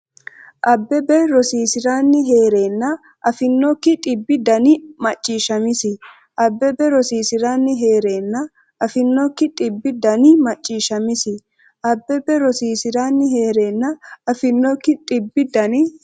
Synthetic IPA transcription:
ʔɐbːɛbɛɾɔsiːsɪɾaːnːɪɦe̞ːɾe̞ːnːɐ | ʔɐfɪnːɔkːɪt̪ʼɪbːɪd̪ɐnɪmɐt͡ʃʼːiːʃɐmɪsɪ | ʔɐbːɛbɛɾɔsiːsɪɾaːnːɪɦe̞ːɾe̞ːnːɐ | ɐfɪnːɔkːɪt̪ʼɪbːɪd̪ɐnɪmɐt͡ʃʼːiːʃɐmɪsɪ | ʔɐbːɛbɛɾɔsiːsɪɾaːnːɪɦe̞ːɾeːnːɐɐfɪnːɔkːɪt̪ʼɪbːɪd̪ɐnɪ

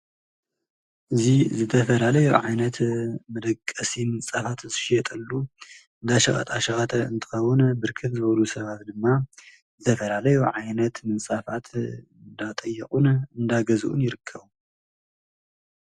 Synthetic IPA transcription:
ʔɨzizɨt̪ʰɐfɐlalɐjuʕajnɐt̪mɨd̪ɐkʼːɐsimɨnsʼafat̪zɨʃɛt̪ʼɐlːu | ɨnd̪aʃɐχʼɐ̰t̪ʼaʃɐxɐt̪ʰɐɨnt̪ʰɨ̥xɐwʊnbɨɾkʰɨt̪zɨβɐlusɐβat̪d̪ɨmːa | zɨt̪ʰɐfɐlalɐjuʕajnɐt̪mɨnsʼafat̪ʰɨnd̪at̪ʼɐjːɛχʼunɨnd̪aɡɐzuʔṵnjɪɾɨkʰːɐβu

